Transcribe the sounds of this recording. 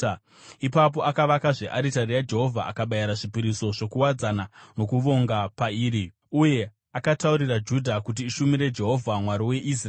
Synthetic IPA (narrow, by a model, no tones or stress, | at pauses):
ipap̬o̞ʔakaʋakaʐeʔaɾitaɾijad͡ʒe̞ɦo̞vʱaʔa̰kaɓajaɾaʐipiɾiso̞ʐo̞kuwad͡zanano̞kuʋo̞ŋɡapaiːɾi | uje̞ | akatauɾirad͡ʒudʱakut̬iːʃumiɾe̞d͡ʒe̞ɦo̞vʱamwaɾiwe̞ʔis̬r